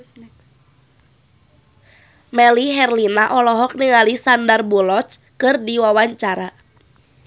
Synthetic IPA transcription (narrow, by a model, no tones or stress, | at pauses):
mɛliɦɛrlinaʔɔlɔɦɔk̚niŋalisandarbulɔt͡ʃ | kɨrdiwawaɲt͡ʃaɾa